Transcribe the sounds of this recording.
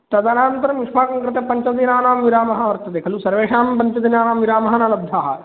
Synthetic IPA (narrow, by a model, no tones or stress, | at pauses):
t̪ɐd̪aːnaːɐnt̪ɐɾɐmɪʃpʰaːkɐ̃ŋkɾɪt̪epɐɲt͡ʃɐd̪inaːnaːmʋiɾaːmɐɦaːʋɐɾt̪ɐd̪eːkʰɐlusɐɾʋeːʃaːmbɐnt͡ʃɐd̪inaːnaːmʋɪɾaːmɐɦaːnaːlɐbd̪ʱaːɦaː